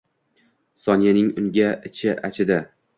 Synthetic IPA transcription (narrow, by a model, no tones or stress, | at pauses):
sɒnijanɪŋʊnɡʲaɪt͡ʃʰɪʔat͡ʃʰɪd̪a